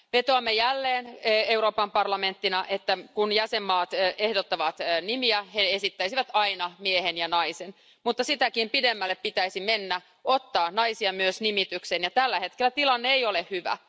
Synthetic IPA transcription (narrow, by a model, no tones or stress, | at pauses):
ʋet̪oɑmːejælːeːneuɾoːpɑmpɑrlɑme̞nt̪ːinɑʔet̪ːækunjæsemːɑːt̪ːʔehdot̪ːɑʋɑt̪ːnimiæheesit̪ːæisiʋæt̪ɑinɑmiehenjɑnɑisen | mut̪ːɑsit̪ækimpidemːælːeppit̪æisimenːæ | ot̪ːɑːnnɑisiɑmyøsnimit̪yksenjɑt̪ælːæhe̞t̪kelːæt̪ilɑnːeejolehhyʋæ̰